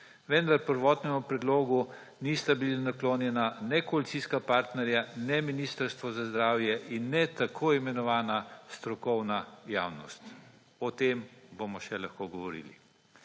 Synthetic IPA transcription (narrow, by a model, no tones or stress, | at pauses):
ʋɛnd̪aɾpəɾʋɔːt̪nɛmupɾɛd̪loːɡu | nist̪abilinakloːnjɛnanɛkɔalit̪siːskapaɾt̪nɛɾjanɛminist̪əɾst̪ʋɔzazd̪ɾaːwjɛʔinːɛt̪akʰoːimɛnɔʋaːnast̪ɾɔkɔwnajaːwnɔ̰st̪ | ɔt̪embomɔʃɛlaxkoːɡɔʋɔɾḭːlḭ